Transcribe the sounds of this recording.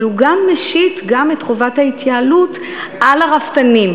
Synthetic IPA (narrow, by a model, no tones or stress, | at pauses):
luɡamːeʃitɡametχovathaitjaːlut | ʔalaʁaftanim